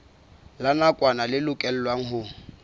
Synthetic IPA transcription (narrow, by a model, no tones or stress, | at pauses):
lanakʼwanalɪlʊkʼɛl̩ːlwaŋ̩ɦʊ